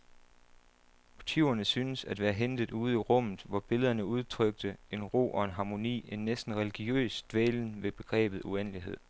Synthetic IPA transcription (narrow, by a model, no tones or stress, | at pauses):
mo̝t͡sʰiʊɐnəsyːnəsæd̥ʋæːɐɦend̥ð̩ˠuːð̞̩ˠiʁɔ̽m̰ð̩ˠʋɒb̥e̝ləð̞ˠɐnəuð̞ˠt͡sʰʁœɡ̥̚d̥əe̝nʁo̝̰ːʔɒ̽e̝nɦɑ̈mo̝nḭːe̝nːesd̥n̩ʁɛliɡ̥iø̰ːsd̥ʋeːln̩ʋe̝b̥e̝ɡ̥ʁɛ̰ːb̥ð̞̩ˠuen̰liɦe̝ð̞̰ˠ